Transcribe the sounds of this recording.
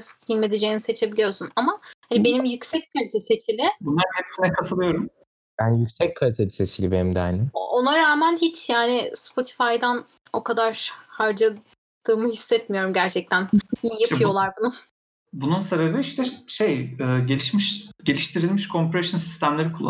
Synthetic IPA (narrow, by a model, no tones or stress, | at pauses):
sime̞d̪ed͡ʒejinise̞t͡ʃʰe̞bilʲijo̞ɾsunamahanibe̞nimjycsɛc̚kʰalʲit̪ʰeset͡ʃʰilʲɪbunlˠaɾkʰɛt̪ʰi̥sinɛkʰat̪ʰɯlˠɯjo̞ɾum | bænjycʲsɛc̚kʰalʲit̪ʰelʲiset͡ʃilʲibenimd̪ɛanɪonaɾaːmænɦit͡ʃjaːnɪspʰo̞t̪ʰi̥fajd̪æn | o̞kad̪aɾhaɾd͡ʒa | d̪̥ɯːmɯhisːɛt̪mijo̞ɾumɟæɾt͡ʃʰɛc̚t̪ʰænijapʰɯjo̞lˠaɾbunu | bununse̞be̞biiʃt̪ʰɛʃejɯːɟelʲiʃmiʃɟe̞lʲiʃt̪ʰiɾilʲmiʃkʰo̞mpeɾeʃunsi̥st̪ʰæmlʲeɾikʰulˠː